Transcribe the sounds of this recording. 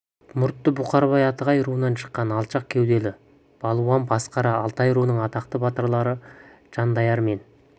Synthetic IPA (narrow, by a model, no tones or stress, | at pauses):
mʊɾt̪ːəbʊqɑɾβɑjɑt̪əʁɑjɾuənɑnʃə̥qːɑnɑlˠʃɑq̚kʲʰewd̪e̞lɪ | b̥ɑlˠuɑmbɑsqɑɾɑːlˠt̪ɑjɾunəɴɑt̪ɑqt̪əbɑt̪əɾlˠɑɾə | ʒ̥ɑnd̪ɑjɑɾme̞n